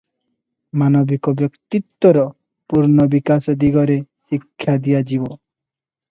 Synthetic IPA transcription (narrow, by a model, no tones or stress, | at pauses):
manɔbikɔbjɔkt̪it̪wɔɾɔ | puɾnɔbikasɔd̪iɡɔɾesikʰːjad̪ijad͡ʒibɔ